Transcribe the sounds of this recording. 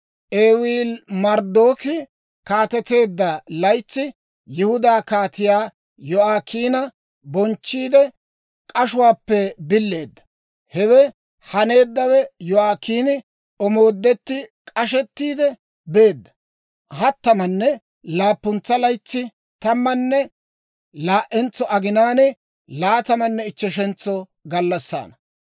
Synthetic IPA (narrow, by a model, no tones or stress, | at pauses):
ʔeːwiːlmɐɾd̪o̞ːkɪ | kaːt̪ɛt̪e̞ːd̪ːɐlɐjt͡sːɪ | jɪhʊd̪aːkaːt̪ɪjaː | jɔaːkiːnɐ | bɔnt͡ʃːiːd̪ɛ | kʼɐʃʊwaːpːɛbɪlːe̞ːd̪ːɐ̥ | hɛwɛ | hɐne̞ːd̪ːɐwɛjɔaːkːiːnɪ | ɔmo̞ːd̪ːɛt̪ːɪkʼɐʃ̬ɛt̪ːiːd̪ɛ | be̞ːd̪ːɐ̥ | hɐt̪ːɐmɐnːɛ | laːpːʊnt͡sːɐlɐjt͡sːɪ | t̪ɐmːɐnːɛ | laːʔɛnt͡sːɔʔɐɡɪnaːnɛ | laːt̪ɐmɐnːɛɪt͡ʃːɛʃɛnt͡sːɔ | ɡɐlːɐsːa̰ːnɐ